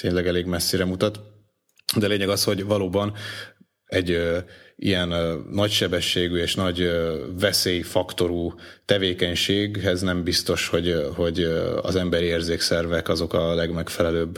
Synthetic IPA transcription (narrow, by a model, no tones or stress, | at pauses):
t̪eːɲlɛɡɛleːɡmɛsːeːɾɛmut̪ɒt̪ | d̪ɛleːɲɛɡɒsho̞ɟvɒloːbɒn | ɛɟ | ḭjɛnːɒcʃɛbɛʃːeːɡyeːʃnɒɟvɛseːjifɒkt̪o̞ɾut̪ɛveːkɛɲʃeːɡɦɛznɛmbist̪o̞ʃho̞ɟho̞ɟɒ̰zɛmbɛɾieːrzeːksɛrvɛkɒzo̞kɒlɛɡmɛkfɛlɛløːb